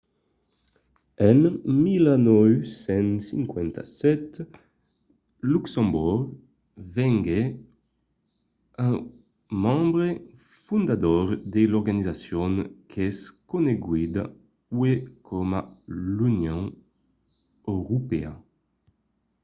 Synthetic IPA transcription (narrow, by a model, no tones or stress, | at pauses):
ɛnmilanɔwsɛ̃nsiŋkwɛnt̪a̰sɛt̪ | luksɑ̃mbuʁɡ | vɛŋɡe | ɛ̃ | mɑ̃mbʁe | fũnd̪ad̪ɔʁd̪elɔɾɡanizasjɔnkʰɛskoneɡwid̪a̰ | wekʰɔmalynjõŋ | øʁupea